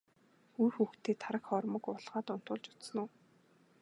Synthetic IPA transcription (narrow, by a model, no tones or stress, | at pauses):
urxuːxt̪ʰeːt̪ʰaɾə̆kχɔrmɞ̆kʊɮʁaːt̪ʊn̥t̪ʊːɮt͡ɕʊ̥t͡s̪snuː